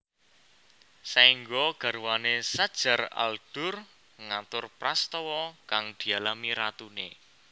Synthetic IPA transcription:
saiŋɡoɡ̥a̤rwanesad̥ʒ̥a̤ra̰ld̥ʊ̤r | ŋat̪ʊrprast̪ɔwɔkaŋd̪̥i̤alamiɾat̪une

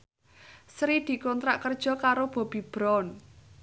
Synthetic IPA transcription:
sɾid̪̥i̤kɔnt̪ɾaʔkərd̥ʒ̥ɔ̤kaɾob̥ɔ̤b̥i̤b̥ɾɔn

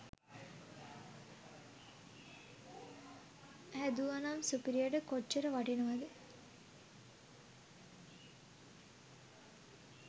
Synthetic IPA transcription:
hæd̪uanamsupiɾiəɖəkoʈːt͡ʃəɾəʋaʈinəʋad̪e

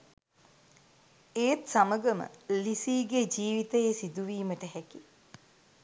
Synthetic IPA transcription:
eːt̪saməɡəmə̰lisiːɡed͡ʒiːʋit̪əjesid̪uʋiːməʈəɦæki

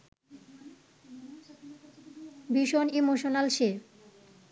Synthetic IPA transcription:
biʃonimoʃonalʃe

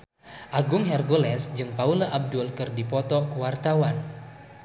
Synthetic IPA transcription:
ʔaɡʊŋɦɛrɡolɛsd͡ʒɨŋpaulaʔab̚dʊlkɨrdipɔt̪ɔkuwart̪awan

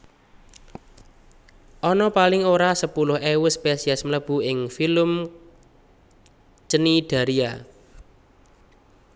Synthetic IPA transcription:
ʔɔnɔpalɪŋoɾasəpulʊhɛwʊspesiasmələb̥ṳɪŋfiləm | t͡ʃəniɖ̥a̤ɾia

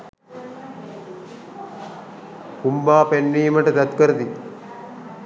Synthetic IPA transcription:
kumbaːpenːiːməʈət̪ɐt̪kəɾəd̪i

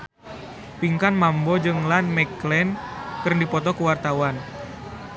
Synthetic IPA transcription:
piŋkanmambɔd͡ʒɨŋlanmɛklɛnkɨrndipɔt̪ɔkuwart̪awan

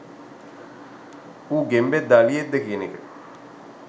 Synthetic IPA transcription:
uːɡembed̪aːlijed̪ːəkijənekə

